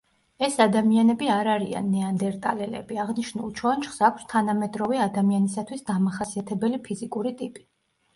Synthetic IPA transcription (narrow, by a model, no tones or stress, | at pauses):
ɛsad̪amianɛbiaɾaɾia̰nːɛand̪ɛɾt̪ʼalɛlɛ̰biaʁniʃnṵlˠt͡ʃʰɔant͡ʃχsakʷʰst̪ʰanamɛd̪ʼɾɔvɛad̪amianisat̪ʰwisd̪amaχasiat̪ʰɛbɛlipʰizikʼuɾit̪ʼipʼi̥